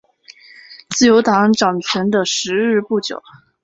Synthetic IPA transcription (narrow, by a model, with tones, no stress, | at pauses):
t͡sɹ̩˥˩jo˧˥ʊt̪ɑ˧˥ŋʈ͡ʂɑ˨˩ŋt͡ɕʰɥɛ˧˥nd̪ə˧ʂɻ̩˧˥ɻɻ̩˥˧pu˥˩t͡ɕjo˨˩˦ʊ